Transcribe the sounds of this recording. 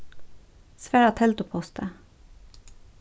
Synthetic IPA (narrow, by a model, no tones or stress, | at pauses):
sʋæːɾɑt̪ʰɛlt̪ʊpʰɔst̪ʰə